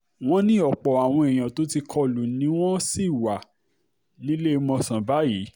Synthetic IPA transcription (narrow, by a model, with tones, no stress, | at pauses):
w̃ɔ̃˦nĩ˦ɔ˨k͡pɔ˨a˨w̃ɔ̃˧ɛ˨j̃ã˨to˨˦ti˧kʰɔ˧lu˨nĩ˨˦w̃ɔ̃˦si˦˨wa˨ | nĩ˨˦le˦˧mɔ̃˧sã˨ba˨˦ji˨˦